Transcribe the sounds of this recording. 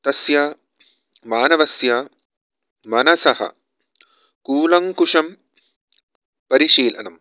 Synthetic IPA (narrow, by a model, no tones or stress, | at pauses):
t̪ɐsja | maːnɐʋɐsja | mɐnɐsɐhɐ̰ | kuːlɐŋkuʂɐm | pɐɾiʂiːlɐ̰nɐm